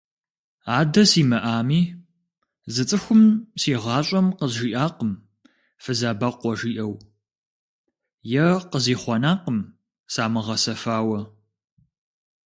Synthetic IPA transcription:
aːdɐsiːmɐʔaːmiː | zɨt͡sʼɨxʷʊmsiːʁɑːɕʼɐmqəzʒiːʔaːqəm | fɨzaːbɐqʷɔʒiːʔɐw | jɛqəziːχʷɔnaːqəm | saːmɨʁɐsɐfaːwɐ

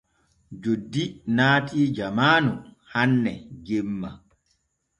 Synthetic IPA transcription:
d͡ʒodːinaːtʼiːd͡ʒamaːnuhanːɛɡemːa̰

